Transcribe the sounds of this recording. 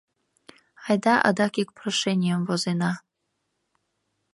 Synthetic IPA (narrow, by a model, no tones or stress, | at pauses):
ɑjd̪ɑʔə̰d̪ɑkik̚proʃɛnʲɪjəmvozenɑ